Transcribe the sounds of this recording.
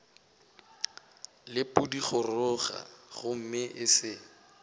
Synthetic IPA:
lɪpʊdiχʰʊrʊɣa̰ɣʊm̩mɪʔɪsɪ

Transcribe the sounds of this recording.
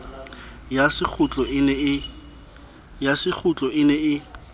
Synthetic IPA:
jasɪk͡xʰʊt͡ɬʼɔʔɪnɛɪ | jasɪk͡xʰʊt͡ɬʼɔɪnɛɪ

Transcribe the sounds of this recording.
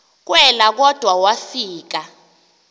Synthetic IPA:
k̬wɛlak̬ɔd̥ʱwawafiːk̬a

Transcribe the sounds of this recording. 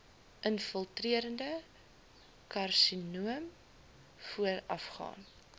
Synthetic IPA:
ʔənfəlˠtriəɾəndə | kɐrsinuəm | fuəɾɐfχɑ̰ːn

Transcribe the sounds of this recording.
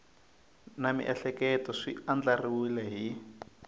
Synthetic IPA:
namḭʔɛɬɛkɛtɔʂiand͡ɮariwilɛɦi

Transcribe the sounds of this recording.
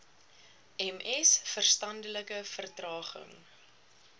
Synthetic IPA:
ɛmɛsfərstɐndələkəfərtrɑːχə̰ŋ

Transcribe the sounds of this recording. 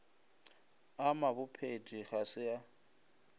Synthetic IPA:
amabʊpʰedʼiɣasɪja

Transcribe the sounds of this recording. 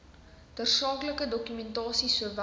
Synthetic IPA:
d̥ərsɑːkləkədɔkymɛntɑːsisuəv

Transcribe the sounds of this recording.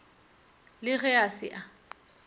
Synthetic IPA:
lɪɣɛasɪ̰ʔa

